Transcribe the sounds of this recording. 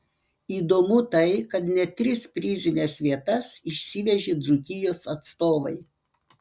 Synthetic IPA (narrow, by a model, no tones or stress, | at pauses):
iːd̪oːmʊt̪ɐɪkɐt̪nʲɛt̪ʲɾʲɪspʲɾʲɪzʲɪnʲɛsʋʲiɛt̪ɐsɪʃʲsʲiʋʲɛʒʲɪd̪zʊkʲɪjoːsɐt̪st̪oːʋɐɪ